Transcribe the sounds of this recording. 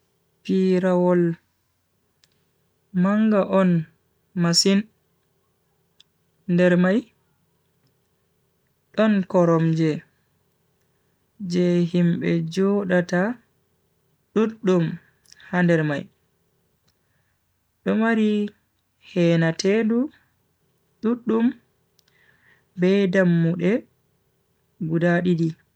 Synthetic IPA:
piɾawɔl | maŋɡaʔɔn | masin | ndɛɾmaj | ɗɔnkɔɾɔmd͡ʒɛ | d͡ʒɛɦimɓɛ̰d͡ʒɔɗata | ɗuɗːum | handɛɾma̰j | ɗɔmaɾi | hɛːnatʰedu | ɗuɗːum | bɛdamːuɗɛ | ɡudaɗidi

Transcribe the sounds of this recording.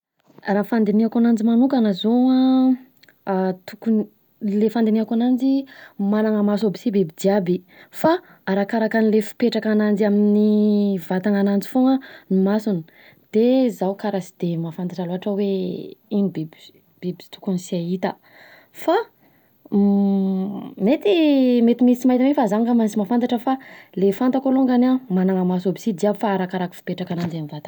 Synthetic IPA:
rafand̪eniakanand͡ʒimanukanazoa | t̪ukun | lefand̪eniakanand͡ʒimanaŋəmasobisibibid̪iabi | fa | aɾakaɾakanilefi̥peʈ͡ʂakanand͡ʒiaminivat̪aŋanand͡zi̥foŋənimasuni̥ | d̪̥ezawkaɾasi̥d̪̥emafant̪aʈ͡ʂaloɦaʈ͡ʂəweinibib | b̥ibizi̥t̪u̥kunisiait̪ə | fa | met̪imet̪imisimaɦit̪amefazaŋkamansimafant̪aʈ͡ʂəfalefant̪akoloŋɡanamanaŋamasobisid̪iabufaːɾakaɾaki̥fi̥peʈ͡ʂakanand͡ʒanivat̪ḁ

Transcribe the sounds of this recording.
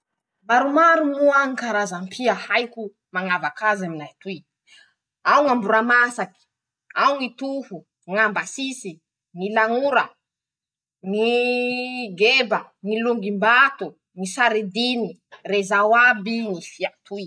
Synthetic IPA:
maɾumaɾumuaŋikaɾazampʰiahajku | maŋavakazaminajt̪ui | awŋambuɾamasaki̥ | awŋit̪uhu | ŋambasisi | nilaŋuɾa | ŋi | ɡebaŋiluŋɡimbat̪u | nisaɾid̪inirezawabiŋifiat̪ui

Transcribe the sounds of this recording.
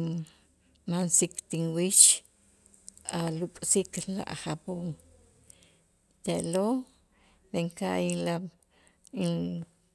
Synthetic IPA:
mansikt̪inwit͡ʃ | alukʼsikla̰ʔχapoŋ | t̪eʔlo | beŋkaʔila | i

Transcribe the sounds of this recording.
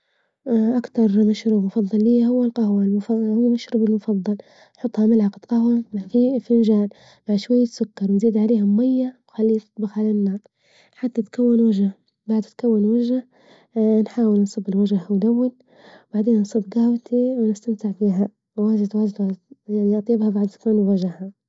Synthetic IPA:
ʔakt̪ɑɾˤmaʃɾuːbmʊfɑðˤːɑlːijːahʊwːalqɑhwalmʊhʊwːamaʃɾuːbɪlmʊfɑðˤːɑl | nħʊt̪ˤːhɑmɪlʕɑqd̪̥qɑhwafifɪnd͡ʒaːl | maʕʃwajːat̪sʊkːɑɾˤwnziːd̪ʕaleːhamʊmajːawxalːiːt̪ɨ̥t̪ˤbɪqʕalanːaːɾ | ħat̪ːat̪kʰawːɪnwad͡ʒa | baʕd̪t̪kawːɪnwad͡ʒa | nħaːwɪlnsˤɨbːɪlwad͡ʒahwd̪awːɪl | baʕd̪eːnːnsˤɨbɡaːwt̪iwnɪst̪amt̪ɪʕfiːɦa | waːzat̪waːzt̪wazjaʕniʔɑt̪ˤjɪbhabaʕd̪t̪kaːnwwad͡ʒaha

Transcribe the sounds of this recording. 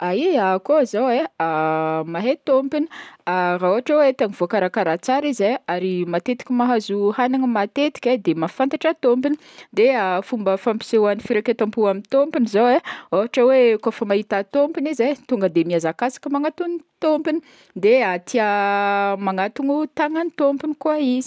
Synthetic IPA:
aiakozaweamaɦet̪ompini̥aɾaoɦaʈ͡ʂəwet̪aŋivokaɾakaɾat͡saɾizeaɾimat̪et̪i̥kʲimaɦazuhanaŋəmat̪et̪i̥kʲed̪emafant̪aʈ͡ʂat̪ompini | d̪eafumbəfampi̥sewanifiɾaket̪ampuamint̪ompinizoweoɦaʈ͡ʂəwekofəmaɦit̪at̪ompinizet̪uŋɡəd̪emiazakasḁkʲəmaŋat̪unit̪ompini | d̪eat̪ʰia | maŋat̪uŋut̪aŋanit̪ompinikuaizi

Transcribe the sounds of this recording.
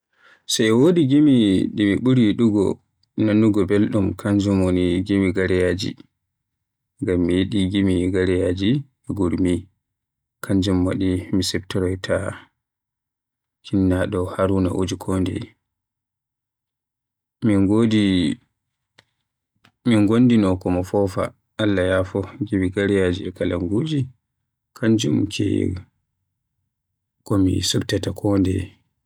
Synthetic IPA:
sajɛwoːdiɡimiɗimiɓuɾiɗuɡɔ̰ | nanːuɡɔbelɗumkʰaɲd͡ʒumoniɡimiɡaɾɛjad͡ʒḭ | ŋɡamːijeɗiɡimiɡaɾɛjad͡ʒi | ɛɡuɾmi | kʰaɲd͡ʒumwa̰ɗimisɛbtɛɾɔjtʰa | kʰinːaɗɔhaɾuna̰ʔod͡ʒikʰɔndɛ̰ | miɡodi | miŋɡonːdinɔkɔmɔfɔfa̰ | ʔalːajafɔɡibiɡaɾijad͡ʒiɛkalaŋɡud͡ʒi | kʰand͡ʒumkʰɛ̰ | kɔmḭsuktatakʰɔndɛ̰

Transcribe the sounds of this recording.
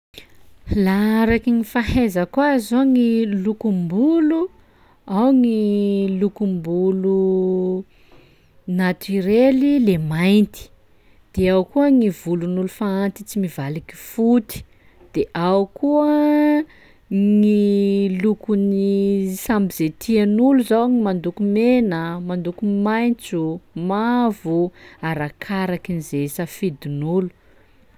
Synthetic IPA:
laaɾakiŋifaɦezəkwazoŋilukumbulu | awŋilukumbulu | nat̪iɾelilemajnt̪i̥ | d̪̥eawkuəŋivulunulufaant̪it͡simivaliki̥fut̪i̥ | d̪̥eʔawkuə | ŋilukunisambizet̪ʰianuluzawŋimand̪ukumenəmand̪ukumajnt͡sumavuaɾakʰaɾakinizesafid̪inulu̥

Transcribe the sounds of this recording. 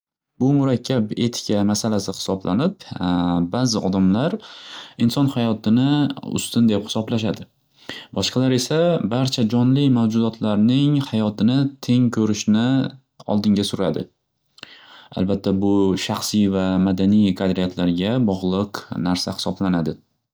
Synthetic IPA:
bʊmʊɾakʲʰːabe̞t̪ʰɪ̥kʲʰamasalasɪχɪ̥sɒblanɪpbazɪɒd̪amlaɾɪnsɒnhajɒt̪ʰɪnɪʊ̰st̪ɪnd̪ephɪ̥sɒblaʃad̪ɪ | bɒʃqʰɑlaɾe̞sabaɾt͡ʃʰad͡ʒɒnlɪmawd͡ʒʊd̪ɒt̪ʰlaɾnɪŋhajɒt̪ʰɪnɪt̪ʰe̞ŋkʲʰɵɾɪʃnɪ | ɒ̰lˠd̪ɪŋɡʲasʊɾad̪ɪ | a̰lbat̪ʰːabʊʃaχsɪvamad̪anijqʰad̪ɾijat̪ʰlaɾɡʲabɒʁlˠɨqnaɾsahɪ̥sɒblanad̪ɪ

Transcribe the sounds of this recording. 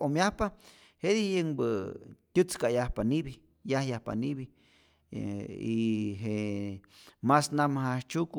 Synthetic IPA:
omjahpa | heðihjəŋbət̪ʲut͡skaʔjahpaniβi | jahjahpa̰niβi | iɦe | masnamahaht͡ʃuk

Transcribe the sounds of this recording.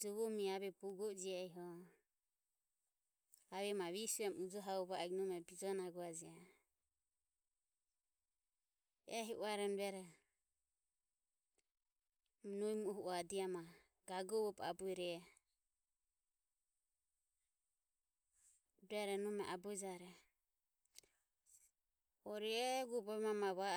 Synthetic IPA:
d͡ʒɔβɔmiaβɛpuɡɔd͡ʒiaiɦɔ | aβɛmaβisuɛmud͡ʒɔɦaɔβaɛɡnɔmɛbid͡ʒɔnaɡɔad͡ʒia | ɛɦiʔuaɾɔnduɛɾɛ | mnuimuɔɦuadiama | ɡ̥aɡɔβɔpa̰buiɾɛ | dɛɾɛnumɛʔabuid͡ʒaɾɛ | ɔɾiɛɡubɔmamaβa

